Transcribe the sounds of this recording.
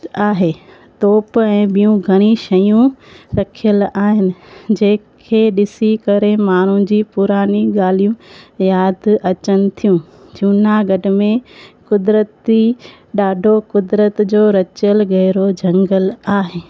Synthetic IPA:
aːɦeː | t̪oːpɛ̃ːɓijũɡʱɐɽ̃iʃɐjũɾɐkʰijəlaːɦɪnɪ̆d͡ʑɐ̃ɦɪ̃kʰeːɗɪsikɐɾemaːɳ̤ũd͡ʑiːpʊɾaːniɡaːl̤ijũjaːd̪ɐt͡ɕənɪ̆t̪ʰijũ | d͡ʑuːnaɡɐɖʱɪ̆mẽkʊd̪ɾət̪i | ɗaːɖʱokʊd̪ɾət̪d͡ʑoːɾɐt͡ɕəlɡɐɦɪɾod͡ʑʱɐ̃ŋɡəlaːɦeː

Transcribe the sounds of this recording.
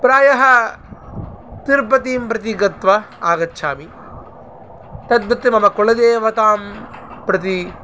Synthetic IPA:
pɾaːjɐɦɐ | t̪iɾpɐt̪iːmpɾɐt̪̬iɡɐt̪ʋɐ | aːɡɐtːʃʰaːmi | t̪ɐd̪̚bɐt̪ːimɐmɐkoɭɐd̪eːʋɐt̪aːmpɾɐt̪̬i

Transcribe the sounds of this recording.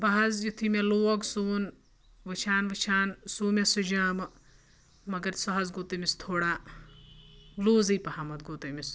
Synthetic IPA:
bɐɦɐzjut̪ʰimeloːɡsuːn | ʋɨt͡ʃʰaːnʋɨt͡ʃʰaːnsuːmʲesud͡ʒaːmɨ | mɐɡɐɾsɐɦɐzɡoːt̪ɐmist̪ʰoːɽaː | luːzɨjpɐhamɐt̪ɡoːt̪ɐmʲis

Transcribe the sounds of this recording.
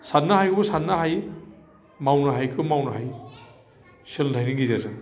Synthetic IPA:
sanːahajkʰɯbsanːaɦaj | mawnaɦajkʰɯmawnaɦaj | sɯltʰajniŋɡizazɯ

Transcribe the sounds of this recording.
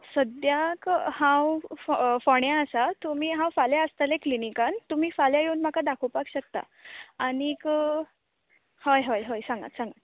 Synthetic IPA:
səd̪jakhɦãw | fɔɳjaəsat̪um̤iːɦãwfaljaəst̪aleklinikant̪um̤iːfaljajeuːnm̤akad̪akʰowpakɕək̚t̪a̰ | añik | hojɦɔjɦojsãŋɡa̰t̪sãŋɡat̪

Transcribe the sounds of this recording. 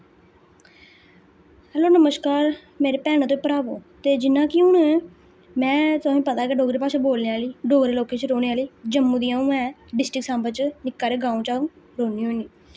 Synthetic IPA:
hɛːloːnəməskaːɾ | meːɾeːpɛːɽ̃t̪õːiːpəɾaːʋoːt̪eːd͡ʒɪnãːkiʊnːɛ̃ | mɛ̃ːt̪ʊaːĩːpət̪aːkeɖoːɡɾeːpaːseːboːlneaːliːɖoːɡɾeːloːkeːt͡ʃɾoːɽ̃eaːliːd͡ʒəmːũːd̪ijãːũːɛ̃ːɖɪsʈɾɪksãːmbət͡ʃnɪkːaːɾeːɡaːũːt͡ʃaːũː | ɾoːniːɦoːniː

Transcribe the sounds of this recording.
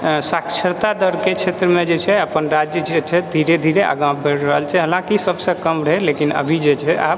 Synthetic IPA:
sakt͡ʃʰəɾt̪ad̪əɾket͡ʃʰet̪ɾəmẽd͡ʒet͡ʃʰɛəpənɾad͡ʒjəd͡ʒet͡ʃʰɛd̪ʱiɾed̪ʱiɾeʔa̰ɡãbeɽɾəɦəlt͡ʃʰɛɦəlãkisəbsə̃kəmɾəɦɛlekinə̰bʱid͡ʒet͡ʃʰɛʔa̰b̚

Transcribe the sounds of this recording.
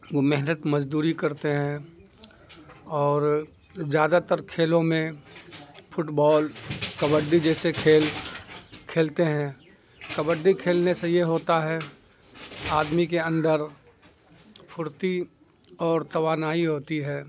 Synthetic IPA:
ʋomɛɦnət̪məd͡ʒd̪uːɾikɐɾt̪eɦɛ̃ | ɔːɾ | zjaːd̪at̪əɾkʰeːlõmẽ | fʰʊʈbɔːlkɐbəɖːid͡ʒɛːsekʰeːl | kʰeːlt̪eɦɛ̃ː | kɐbəɖːikʰeːlnesejeɦoːt̪aɦɛ | aːd̪mikeɐ̃nd̪əɾ | pʰʊɾt̪i | ɔːɾt̪ɐʋaːnaːiɦoːt̪iɦɛː

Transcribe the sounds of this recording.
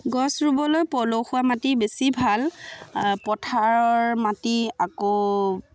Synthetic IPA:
ɡɔsɹubɔlojpɔloxuwamatibesibʱal | pɔtʰaɹɔɹmatiako

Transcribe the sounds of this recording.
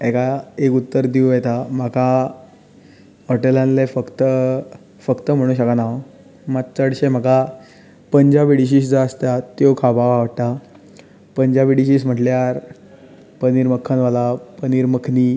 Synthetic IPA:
ɛkaekut̪ːəɾd̪iujat̪am̤aka | ɔʈelãnlefəkt̪ə | fəkt̪əm̤əɽ̃ũːɕakanaʋa | mat̪t͡səɽɕem̤aka | pəɲd͡ʑaʋiɽiɕ̬iːs̬d͡zaəst̪at̪jokʰabaʋaʋəɽʈ̪a | pəɲd͡ʑaʋiɽiɕiːsm̤əʈljaɾ | pəniɾməkʰːənʋalapəniɾməkʰni

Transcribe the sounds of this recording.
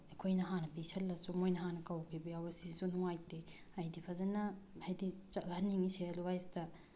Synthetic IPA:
ekʰojnɐɦanɐpisɐlːɐsumojnɐɦanɐkawkʰibɐjawɐsisunuŋajte | ajdipʰazanɐhajdit͡ʃalaanːiŋiselwajstɐ

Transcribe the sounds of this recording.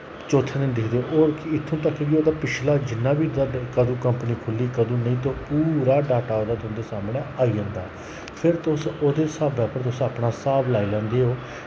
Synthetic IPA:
t͡ʃoːt̪ʰːẽːnə̃d̪ɪkʰd̪eːoːɾkɪɪt̪ʰːũːt̪əkːeʋiːoːd̪aːpɪt͡ʃʰlaːd͡ʒɪnːãːbiːakəd̪ũːkəmpəniːkʰʊlːiːkəd̪ũːnəĩːt̪oːpuːɾaːɖaːʈaːoːd̪aːt̪ʊ̃nd̪eːsaːmɳẽːaːiːə̃nd̪aː | pʰɪɾt̪ʊsoːd̪eːsaːbɛːpəɾt̪̬ʊsaːpɳaːsaːblaːiːlɛ̃ːnd̪eːɦoː

